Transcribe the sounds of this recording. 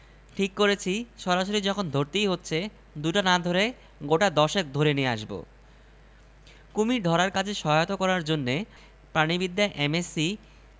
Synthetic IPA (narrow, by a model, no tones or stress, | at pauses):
ʈʰikːoɾet͡ɕʰiʃɔɾaʃoɾid͡ʑɔkʰond̪ʱoɾt̪ijɦotːɕʰe | d̪uʈanad̪ʱoɾe | ɡoʈad̪ɔʃek̚d̪ʱoɾeniea̰ʃbo̰ | kumiɾɖ̪ʱɔɾaɾkat͡ɕʰeʃɔɦaot̪okɔɾaɾd͡ʑonːe | pɾanibid̪ːaʔemesi